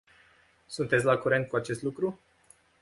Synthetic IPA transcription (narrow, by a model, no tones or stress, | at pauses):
sunt̪e̞t̪sʲlakuɾe̞nt̪̚kuat͡ʃe̞st̪lukɾu